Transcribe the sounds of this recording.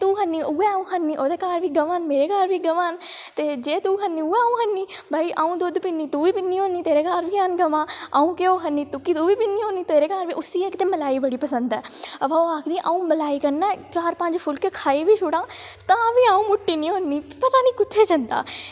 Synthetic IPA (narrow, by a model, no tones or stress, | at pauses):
t̪uːɦənːiːuɛːaũːɦənːiːʔoːd̪eːkaːɾʋiːɡəʋaːnmeːɾeːkaːɾʋiːɡəʋaːnt̪eːd͡ʒeːt̪uːɦənːĩːuɛːaːũːɦənːiːbʱaːiʔaːũːd̪od̪pɪnːiːt̪uːʋiːpɪnːiːõniːt̪eːɾeːkaːɾʋiːənɡəmãːaːũːkeoːɦənːiːt̪ʊkiːt̪uːʋiːpɪnːĩːɦõːniːt̪eːɾeːkaːɾʋiːʔʊsiːekt̪ẽːməlaːiːbəɽiːpəsə̃nd̪ɛːəʋãːoːaːkʰd̪iːʔaːũːməlaːiːkəɾnɛːkaːɾpə̃ɲd͡ʒpʰʊlkekʰaːiːʋiːt͡ʃʰʊɽãːt̪ãːʋiːãːũːmʊʈːiːnĩːɦõnːiːpət̪aːniːkʊt̪ʰːeːt͡ʃənd̪a̰ː